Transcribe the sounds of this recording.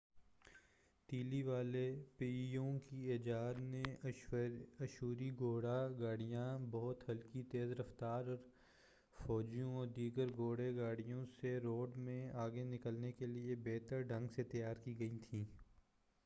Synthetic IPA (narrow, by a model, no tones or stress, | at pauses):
t̪iːliʋaːlepiːjõkieːd͡ʒaːd̪nẽ | ɐʃuːɾiɡoːɽaɡaːɽijãbɔɦt̪hɐlkit̪eːzɾɐft̪aːɾɔːɾ | fɔːd͡ʒijõɔːɾd̪iːɡəɾɡoːɽeɡaːɽijõseɾoːɖmẽaːɡenɪkəlnekeliebeːt̪əɾɖʱɐ̃ŋɡset̪ɐjaːɾkiɡɐit̪ʰĩː